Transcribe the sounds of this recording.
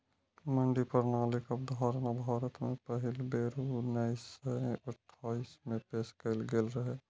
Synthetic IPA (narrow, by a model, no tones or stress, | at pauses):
məɳɖipəɾnaːlɪkəbd̪ʱaːɾnabʱaːɾət̪mẽpəɦɪlbeːɾunəɪsə̃əʈʰːaːismẽpeːskəɪlɡelɾəɦeː